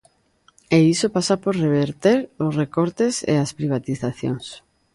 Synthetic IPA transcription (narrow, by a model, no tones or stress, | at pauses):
eisopasapoɾreβ̞eɾt̪eɾosrekoɾt̪esḛaspɾiβ̞at̪iθaθjo̰ŋs